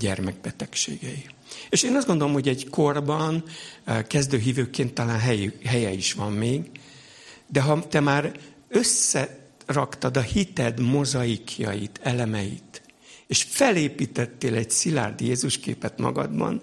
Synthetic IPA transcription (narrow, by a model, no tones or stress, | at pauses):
ɟɛrmɛɡ̚bɛt̪ɛkʃḛːɡɛjieːʃeːnɒzdɡo̞nd̪olomhoɟɛɟko̞rbɒnkɛzd̪øːɦiːvøːkeːnt̪ːɒlaːnɦɛjɦɛjɛiʃʋɒmːeːɡ | d̪ɛɦɒt̪ɛmaːɾ | ø̞sːɛrɒkt̪ɒd̪ɒhit̪ɛd̪mo̞zɒikʰjɒ̰jit̪ʰɛlɛmɛjḭt̪eːʃfɛleːpiːt̪ɛt̪ːeːlɛɟsila̰ːrd̪jeːzuʃkḛːpɛt̪mɒ̰ɡɒ̰d̪bɒ̰n